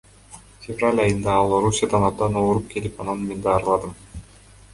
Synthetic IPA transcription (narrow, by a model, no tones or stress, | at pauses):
fʲevralʲɑjɯnd̪ɑɑlˠo̞ɾusʲːjad̪ɑnɑp̪̚d̪ɑnoɾup̚ke̞lipɑnɑnme̞nd̪ɑːɾɯlˠɑd̪ɯm